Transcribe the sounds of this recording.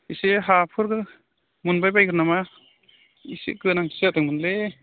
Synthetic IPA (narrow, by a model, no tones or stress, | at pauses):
isiɦapʰɯɾɡɯ | munbajbajɯɾnama | isḭɡɯnaŋseatɯŋmɯnle